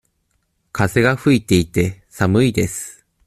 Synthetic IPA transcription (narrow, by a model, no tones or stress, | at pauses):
kʰase̞ɡaɸɯ̟it̪e̞it̪e̞samɯ̟id̪e̞sɨ̥